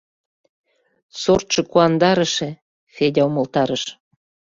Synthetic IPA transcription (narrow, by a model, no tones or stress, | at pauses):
sort͡ʃɤ̆kuɑnd̪ɑɾə̆ʃĕ | fedʲɑomɤ̆lt̪ɑɾəʃ